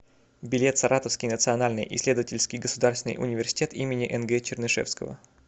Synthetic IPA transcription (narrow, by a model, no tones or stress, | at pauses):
bʲɪlʲe̞t̪sɐɾʔat̪əfskʲɪjnət̪sɨɐnalʲnɨjʔɪ̰sʲlʲed̪əvətʲɪlʲskʲɪjɡəsʊd̪aɾsvʲɪnɨ̰jʔʊ̰nʲɪvʲɪrsʲɪ̥tʲet̪imʲɪnʲɪʔɛnɡɛt͡ɕɪrnɨʂɛ̰fskə̰və̰